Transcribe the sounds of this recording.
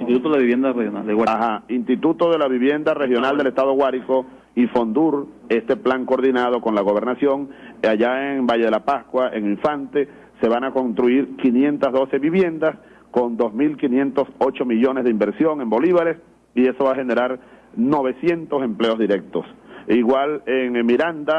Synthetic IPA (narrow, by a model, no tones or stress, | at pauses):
int̪it̪ut̪oelaβiβjend̪arehjonaldewaahainst̪it̪ut̪o̞ðe̞laβiβje̞nd̪arexjo̞nald̪e̞lest̪að̞o̞ɣwaɾiko̞ | ifo̞nd̪uɾ | e̞st̪e̞plaŋkoːɾðinað̞o̞ko̞nlaɣo̞β̞e̞ɾnasjo̞ŋaʝaeŋbaʝeð̞elapaskwaʔḛŋiɱfant̪e̞ | se̞βaŋako̞nst̪ɾuiɾkinje̞nt̪azðo̞se̞βiβje̞nd̪as | ko̞nd̪o̞zmilkinje̞nt̪o̞so̞t͡ʃo̞miʝo̞nezðeimbeɾsjo̞ŋe̞mbo̞liβaɾes | ie̞so̞βaxe̞ne̞ɾaɾno̞β̞e̞sje̞nt̪o̞se̞mple̞o̞zðiɾe̞k̚t̪o̞siɣwaleŋmiɾand̪a